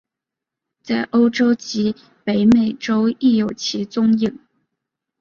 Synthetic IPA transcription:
t͡sa˥˩ɪʔo˥ʊʈ͡ʂo˥ʊt͡ɕi˧˥ | pe˧˥ɪme˨˩ɪʈ͡ʂo˥ʊi˥˩jo˨˩ʊt͡ɕʰi˧˥t͡sʊ˥ŋji˥˩ŋ

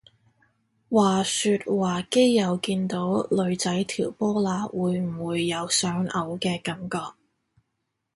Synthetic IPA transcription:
waː˨˩syː˧t̚waː˨ke˥jːɐ˨˧wkiː˧nt̪o˨˥wlɵ˨˧ɥt͡sɐ˨˥jt̪ʰiː˨˩wpɔː˥laː˨˧˥wuː˨˧jm̩˨˩wuː˨˧jːɐ˨˧wsœː˨˥ŋɐ˨˧wkɛː˧kɐ˨˥mkɔː˧k̚

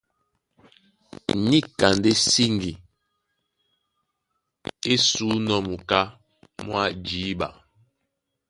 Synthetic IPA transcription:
ni˦ka˨nde˦si˦ŋɡi˨ | e˦suː˨˦nɔ˦mu˨ka˦ | mwa˦˨d͡ʒiː˨˦ba̰˨

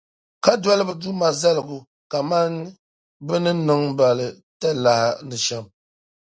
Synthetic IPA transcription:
ka˦dwa˦lɨ˦bɨ˨du˦ma˨zɛ˦lɨ˨ɡu˨ | ka˨ma˦n˦ | bɨ˦nɨ˦nɨ˦ŋ˦ba˨lɨ˨ | tɛ˦la˨ha˨nɨ˨ʃɛ˦m

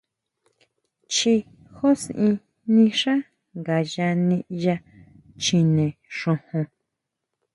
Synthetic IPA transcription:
t͡ʃi˧ | xo˦sʔĩ˧ | nĩ˧ʂã˦ | ŋɡa˨ja˧nĩ˧ʔja˧ | t͡ʃĩ˧nẽ˨ʂõ˧hõ˧

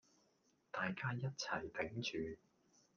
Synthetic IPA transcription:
t̪aː˨jkaː˥jɐ˥t̚t͡sʰɐ˨˩jt̪ɪ˨˥ŋt͡ʃyː˨˧

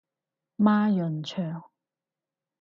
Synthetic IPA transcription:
maː˥jɵ˨nt͡ʃʰœː˨˩ŋ

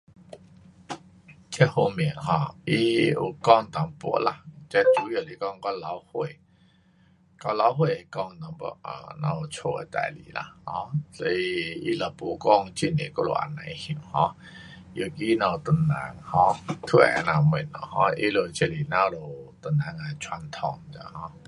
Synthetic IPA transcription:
t͡ɕʰɛ˧ho˧mi˨˩˨ŋɦɔ̃˧˩ʔi˦ṵ˨˩kɔ˥˧˨ŋt̪a˨˦ŋpṵ˧˦la̰˧˨t͡ɕa˧˦t͡ʃu˨˦jo˨˩˨li˨kɔ˥˧˨ŋka˧la˧˦whwe˧˨ | ka˧˦la˧˦wɦwe˧˨e˨˧˨kɔ˥˧ŋ˨t̪a˨˧˦ŋpɔ̰˧˦a̰˨nã˧u˨˩t͡sʰo˧ḛ˨t̪a̰˧˨lḭ˨˦la̰˧˨hɔ̃˧˦sɔ˧˦i˧i˦la˨˩pṵ˨˦kɔ˥˧ŋt͡ɕi˧˨nḛ˨ko˧˦lo̰˨ʔa̰˨˩nã˨jhĩ˨˩˨mhɔ̃˧˦ | jo˨˩ki˦nã˧˩˨t̪ə˧˩nna̰˨˦ŋhɔ̃˦t̪ʰwnã˧˩mi˨˩nːɔ̰˨˩hɔ̃˧˦ʔi˦lo˨t͡ɕʰe˧li˨nã˧˦˧lo˨t̪ə˨˧˩nnã˨˦ŋa˨t͡sʰwa˧nt̪ʰɔ˧˩ŋ˨t̪a̰˧˦hɔ̃˧˦

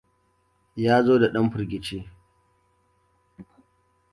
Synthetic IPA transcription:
jaː˦zoː˦da˨ɗɐ˦mɸʊ˨rɡʲɪ˨t͡ʃeː˦

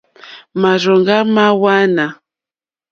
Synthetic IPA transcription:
ma˨ɾɔ˨ŋɡa˦ma˦wa˦na˨

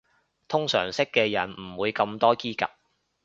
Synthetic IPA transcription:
t̪ʰʊ˥ŋsœ̰ː˨˩ŋsɪ˥kːɛː˧jɐ˨˩nm̩˨˩wuː˨˧jkɐ˧mt̪ɔː˥kiː˥kɐ̰˨p̚

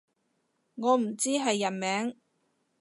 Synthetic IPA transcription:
ŋɔː˨˧m̩˨˩t͡siː˥ɦɐ˨jːɐ˨˩nmɛː˨˥ŋ

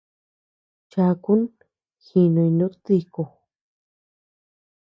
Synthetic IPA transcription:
t͡ʃa˧ku˦n | xi˧nõ˧i˧nũ˦t̪i˧ko˨

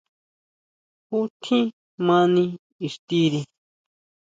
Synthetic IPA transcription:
hu˦t̪ʰĩ˦ | mã˦nĩ | i˨ʂt̪i˦ɾi˧

